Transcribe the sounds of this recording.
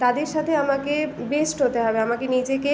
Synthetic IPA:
t̪ad̪eɾʃat̪ʰeamakebesʈɦot̪eɦɔbeamakenid͡ʑeke

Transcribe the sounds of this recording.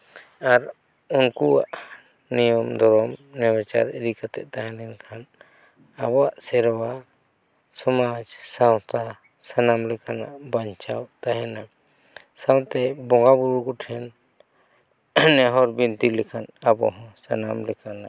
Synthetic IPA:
aɾ | unkuwa̰ʔ | nijɔmd̪ɔɾɔmnɛwɛt͡ʃa̰ɾeɾikat̪ɛʔt̪aɦɛnɛnkʰan | abɔaʔsɛɾwa | sɔmad͡ʒsãwt̪a | sənamlɛkanaʔbaɲt͡ʃawt̪aɦɛna | sãw̃t̪ɛbɔ̃ŋɡabuɾukɔʈʰɛn | nɛɦɔɾbint̪ilɛkʰanabɔ̰ɦɔ̃sənamlɛkanaʔ

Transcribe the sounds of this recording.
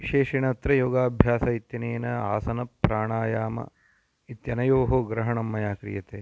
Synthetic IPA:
iʃeːʃiɳɐt̪ɾɐjoːɡaːbʱjaːsɐit̪jɐneːnɐaːsɐnɐpːɾaːɳaːjaːmɐ̰ | it̪jɐnɐjoːɦoːɡɾɐɦɐɳɐmːɐjaːkɾḭjɐt̪eː

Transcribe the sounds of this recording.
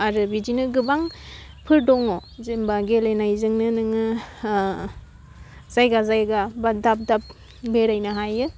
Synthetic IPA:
aɾɯbid͡ʒinɯɡɯbaŋ | pʰɯɾdɔŋɔzembaɡelajnajzɯŋnɯnɯŋɯ | z̥ajɡazajɡabadap̚dap̚ | beɾajnaɦajɯ

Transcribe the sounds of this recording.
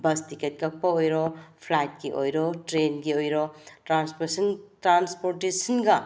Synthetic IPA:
bɐstiket̚kɐk̚pɐojɾɔpʰlajt̚ɡiʔo̰jɾɔtɾenɡiojɾɔtɾanspesɐntɾanspoɾtesɐnɡɐ

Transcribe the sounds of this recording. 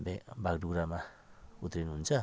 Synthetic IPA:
bebakduɾama | ut̪ɾinunt͡ʃa

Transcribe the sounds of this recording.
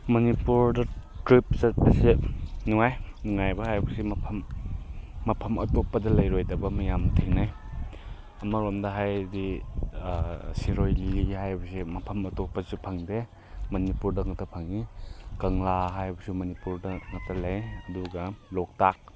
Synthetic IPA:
mɐnipuɾdɐtɾip̚sɐt̚pɐsenuŋajnuŋajbɐhajbɐsimɐpʰɐmː | ɐpʰɐmɐ̰tɔpːɐdɐlɐjɾojdɐbɐmɐjamtʰiŋnaj | ɐmɐɾomdɐɦajdi | siɾojlihajbɐsimɐpʰɐmɐtopːɐsupʰɐŋde | mɐnipuɾdɐŋɐtʰɐpʰɐŋikɐŋlaɦajbɐsumɐnipuɾdɐŋɐtʰaleŋɐduɡɐlɔk̚tak̚

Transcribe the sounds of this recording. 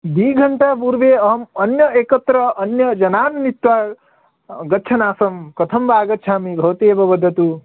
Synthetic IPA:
d̪iːɡʱɐɳʈaːpuːɾʋeːɐɦɐmɐnjɐeːkɐt̪ɾɐʔɐnjɐd͡ʒɐnaːnnit̪ʋaː | ɡɐtːt͡ʃʰʃʰɐnaːsɐmkɐt̪ʰɐmʋaːɡɐtːʃʰaːmibʱɐʋɐt̪eːbɐbɐd̪ʱːɐt̪u

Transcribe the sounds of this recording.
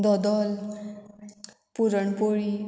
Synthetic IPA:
d̪ʌd̪ʌl | puɾʌɳpoɭi

